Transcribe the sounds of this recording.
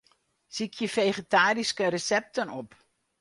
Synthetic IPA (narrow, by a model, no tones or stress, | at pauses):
sikʰjəfejχetaːriskəɾəsɛp̚tənɔp